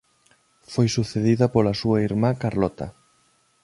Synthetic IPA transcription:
fojsuθeðiðɐpolasuaiɾmakaɾlɔt̪ɐ̰

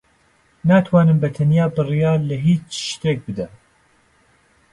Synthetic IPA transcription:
naːt̪ʰwɑːnɨmbɛt̪ʰɐnjaːbɨrijɑːlɛɦiːt͡ʃʃt̪eːk̚bɨd̪ɛ

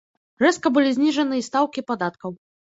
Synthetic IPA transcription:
rɛskɐbɨlʲizʲnʲiʐɐnɨist̪awkʲipad̪at̪kɐw

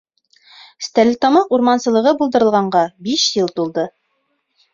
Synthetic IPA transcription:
st̪ælʲt̪omɤquɾmɑnsɤ̆lˠɤ̆ʁɤbulˠd̪ɤ̆ɾɤ̆lˠʁɑɴɢɑbiʃjɤlˠt̪ulˠd̪ɤ

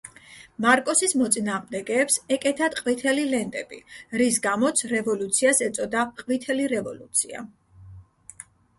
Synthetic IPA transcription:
maɾkʼɔsismɔt̪sʼinaːʁmd̪ɛɡɛːpsɛkʼɛt̪ʰad̪qʼvit̪ʰɛlilɛnt̪ʼɛ̰bḭɾisɡamɔt̪sʰɾɛvɔlut̪sʰiasɛt̪sʼɔd̪aqʼvit̪ʰɛliɾɛvɔlṵt̪sʰḭa̰

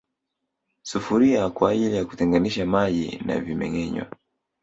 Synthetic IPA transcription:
sufuɾiakwaːʄilijaku̥tɛŋɡaniʃamaʄḭna̰vimɛ̰ŋɛɲwa̰

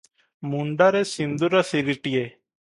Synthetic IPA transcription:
mũɳɖaːɾeːsɪ̃nd̪uːɾaːsiɾiʈɪjeː

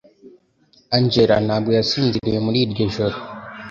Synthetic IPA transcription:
aɲd͡ʒeɾa̰nabwojasiːnziɾijemuɾiːdɡeʒoɾo

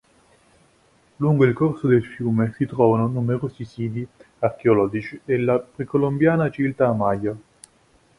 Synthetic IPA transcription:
luŋɡoilkorsod̪elfjuːmesit̪ɾɔːvanonumeɾoːsisiːd̪i | ark̟eolɔːd͡ʒit͡ʃielːapɾekolombjaːnat͡ʃivilt̪aːmaja

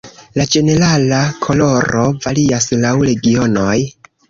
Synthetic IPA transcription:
lad͡ʒe̞ne̞ɾalakʰo̞lo̞ɾo̞valiaslawɾe̞ɡio̞no̞j

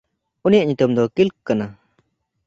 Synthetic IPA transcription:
unijaʔɲut̪umd̪ɔkilk̚kːana

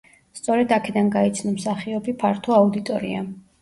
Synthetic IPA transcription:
st̪sʼɔɾɛd̪akʰɛd̪anɡait̪sʰnɔmsaχiɔbipʰaɾt̪ʰɔaud̪it̪ʼɔɾḭa̰

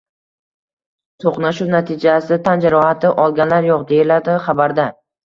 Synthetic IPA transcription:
t̪ʰoqnaʃuwnat̪ʰɪd͡ʒasɪt̪ʰand͡ʒaɾɒat̪ʰɪʔɒlˠɡʲanlaɾjoqd̪e̞ɪlad̪ɪχabaɾd̪a

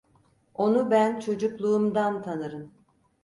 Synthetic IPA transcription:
o̞nubænt͡ʃʰo̞d͡ʒuklˠuːmd̪ant̪ʰanɯɾɯn

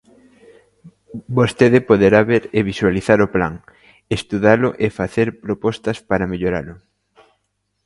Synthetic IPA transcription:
bost̪eðɪpoðeɾaβeɾeβiswaliθaɾopla̰ŋ | est̪uðalʊʔefaθeɾpɾopɔst̪ɐspaɾɐmeʎoɾa̰lʊ

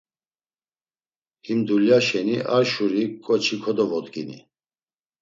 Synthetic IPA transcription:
himd̪uljaʃɛniʔaɾʃuɾikʼɔt͡ʃʰikʰɔd̪ɔvɔd̪ɡḭnḭ

